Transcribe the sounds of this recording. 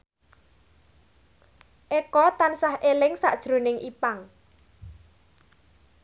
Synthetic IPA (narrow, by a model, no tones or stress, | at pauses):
ʔekɔt̪ansahʔelɪŋsa̰ʔd̥ʒ̥ɾo̤nɪŋʔipaŋ